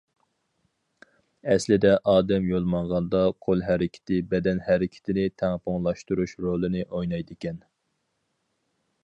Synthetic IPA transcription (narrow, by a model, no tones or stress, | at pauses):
ɛslɪd̪ɛʔɑːd̪ɛmjolˠmɑɴʁɑnd̪ɑqʰolˠɦæɾɪkʲʰɪ̥t̪ʰɪbɛd̪ɛnhæɾɪkʲʰɪ̥t̪ʰɪnɪt̪ʰɛŋpʰoŋlˠɑʃt̪uɾuʃɾolˠɨnɪʔojnɑjd̪ɪkʲɛn